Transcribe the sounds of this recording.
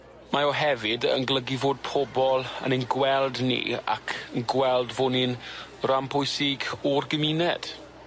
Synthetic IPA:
maɔɦɛvɪdə̰nɡlˠəɡivoːd̚pʰɔbɔlˠə̰nənɡwɛlˠdnḭːa̰kʰənɡwɛlˠdvʊnɪnrampʰʊjsɪɡɔrɡəminɛd̥

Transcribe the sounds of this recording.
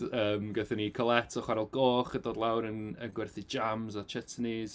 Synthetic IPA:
əːmɡəθənikʰɔlˠɛtʰɔχwaɾɛlˠɡoːχədoːdlˠawɾənənɡwɛrθid͡ʒamzat͡ʃʰɛtʰniz̥

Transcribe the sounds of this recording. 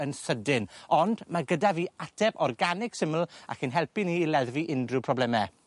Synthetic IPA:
ənsədɪnɔndmaɡədaviːatʰɛbɔrɡanɪksɪml̩ˠa̰kʰinɦɛlˠpiniːlɛðviʔɪndrɨpʰrɔblɛmɛ

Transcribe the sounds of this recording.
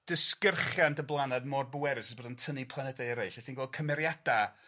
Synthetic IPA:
d̥ɪskərχjantʰəblˠanadmɔr̚bʊwɛɾɨsəsboːdəntʰənipʰlˠanɛdaəɾejɬɛθinɡɔːlˠd̚kʰəmɛɾjad̥a

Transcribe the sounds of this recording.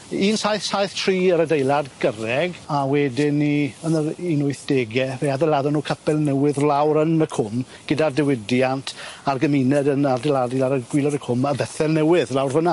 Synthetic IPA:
iːnsajθsajθtʰriːəɾədejlˠadɡ̥əɾɛɡawɛdɪniənəɾinʊɨθd̥eːɡjɛveaðɛlaðɔnuːkʰəpɛlˠnɛwɪðlawɾənəkʰʊm | ɡ̥ədardɛwɪdjantʰarɡəminɛdənardɛladilaɾəɡwilˠɔɾəkʰʊməbɛθɛlˠnɛwɪðlˠawrvəna

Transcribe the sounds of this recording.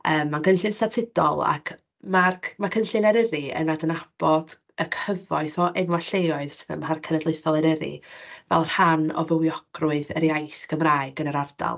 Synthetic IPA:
əːmːankʰənɬɨnstatʰɪdɔ̰lˠa̰kʰ | marmakʰənɬɨnɛɾɪɾɨə̰nadənab̥ɔd̥ | əkʰəvɔɨθɔʔɛnwaɬejɔɨðsɪðə̰maɦarkʰənədlˠeɨθɔlˠɛɾəɾḭvɛ̰lˠr̥hanɔ̰vəwjɔɡ̥rʊɨðə̰ɾjajθɡ̥əmraːɨɡənəɾarda̰lˠ

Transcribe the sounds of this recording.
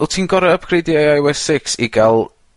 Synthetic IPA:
ɛlˠtʰiːnɡɔɾaəb̚kʰrediajajwɛsɪksiɡalˠ

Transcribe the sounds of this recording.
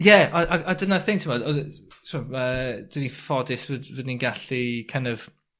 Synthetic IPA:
jɛʔaʔaadənaθɪŋktʰɪmɔdɔðtʰmɔmaəd̥ɪnifɔdɪsvədvədninɡaɬikʰajndɔv̥

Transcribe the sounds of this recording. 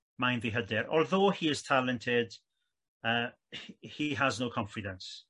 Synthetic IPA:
majnðiɦədɪɾɔ̰lˠðoːhiɪz̥tʰalɛntʰɪd̥ | əː | hiɦəznowkʰɔ̃ɱfɪdə̃ns

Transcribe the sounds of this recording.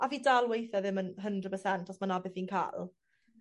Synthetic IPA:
ʔaviːdalˠwejθɛðɪmənɦəndrəd̚pʰəsɛntʰɔsmanabɪθiːnkʰa̰lˠ

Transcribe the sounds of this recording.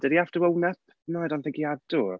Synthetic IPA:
d̥ɛdiaftəwəwnɛp̚ʰ | najdanθɪ̃ŋkiadu

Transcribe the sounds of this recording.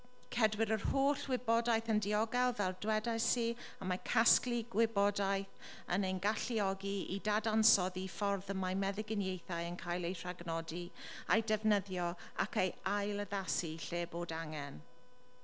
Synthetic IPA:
kʰɛdwɪɾərhoːɬwɪbɔdajθəndiɔɡalˠvɛrdwɛdajsiː | amakʰaskliɡwɪbɔdajθ | ə̰nejnɡaɬiɔɡiidadansɔðifɔrðəmajmɛðɪɡɪnjejθajənkʰajlˠejtʰr̥aɡnɔdi | a̰jdɛvnəðjɔ | a̰kejajlˠəðasiɬeːboːdaŋɛn

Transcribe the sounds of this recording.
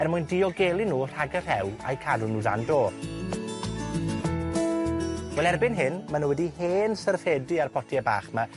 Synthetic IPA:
ɛrmʊjndiɔɡelˠinuːr̥aɡər̥hɛwa̰jkʰadunuːða̰ndoː | wɛlˠɛrbɪnɦɪnmanuwɛdiheːnsərθɛdɨarpʰɔtʰiaba̰ːχma

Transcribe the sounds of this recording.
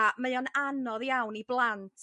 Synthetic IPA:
aməjɔnanɔðjawniblˠantʰ

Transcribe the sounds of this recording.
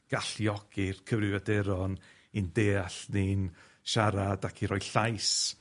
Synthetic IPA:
ɡ̥aɬjɔɡ̥ɪrkʰəvɾɨvɛdɛɾɔn | indeːaɬnin | ʃaɾadakʰiɾɔjɬajs

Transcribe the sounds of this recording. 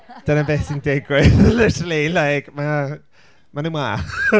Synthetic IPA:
d̥ənabɛːθɪndɛɡwɪðlɛtlelajkma | manumwaχ

